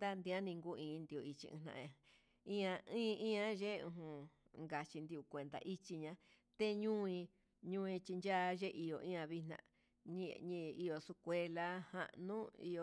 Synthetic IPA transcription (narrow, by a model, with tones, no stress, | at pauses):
d̪a˦nd̪ĩ˧ã˦nĩ˧ŋɡu˦˧ĩː˨˧nd̪i˧˨u˧i˧t͡ʃḭ˧ḭ̃˧nã̰˧ʔã˨ | ĩ˦ã˧ĩː˦˧ĩ˦ã˧ʒe˦˧ṵ̃˧ɦũ˧ | ŋɡa˧t͡ʃi˧nd̪i˧u˧˨kʷe˨nd̪a̰˧˨ʔi˦t͡ʃi˧ɲã˧ | t̪e˦ɲũ˦ĩ˧ | ɲũ˦˧ĩ˧t͡ʃi˧nd͡ʒa˦˧ʒe˦ʔi˧jo˧˨ʔĩ˦ã˧βi˧nã̰˧ | ɲĩ˧ɲĩ˧i˧o˧su˧kʷe˧la˧hã̰˧ʔnũ˦ḭ˧o˧